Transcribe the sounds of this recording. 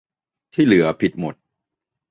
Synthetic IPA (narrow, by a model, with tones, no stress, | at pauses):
t̪ʰiː˥˩lɯ˩˦ɐpʰi˨˩t̪̚mo˨˩t̪̚